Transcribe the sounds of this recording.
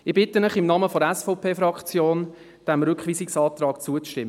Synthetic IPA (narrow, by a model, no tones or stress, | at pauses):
ɪbɪtənəχɪmnɑməfoɾɛsfɔʊpʰeːfɾɑkt͡sjoːn | d̥ɛmɾʏkχvʋiːsɪksɑːt̪rɑːkt͡suət͡sʃtɪmːə